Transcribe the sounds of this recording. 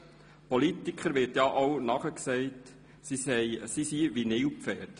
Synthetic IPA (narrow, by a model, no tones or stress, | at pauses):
pɔlitikχəɾʋɪɾtjɑʔownɑχəksɛɪt | sisɛjsisiʋinɪwpfɛːɾt